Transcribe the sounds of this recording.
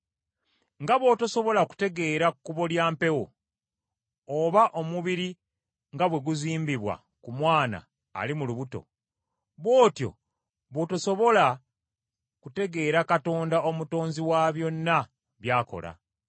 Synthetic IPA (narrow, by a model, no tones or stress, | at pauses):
ŋɡaβo̞ːtoso̞βo̞laku̥te̞ɡe̞ːɾakkːuβo̞ljaːmpe̞wo̞̰ | βaʔo̞muβiɾi | ŋɡaβwe̞ɡuziːmbiβwa̰ | kumwaːna̰ː | limuluβuto̞̰ | βwo̞ːtjo̞̰ | βoːtoso̞βo̞la | kute̞ɡe̞ːɾakato̞ːndaomuto̞ːnziwaβjo̞nːa | βjaːko̞̰la̰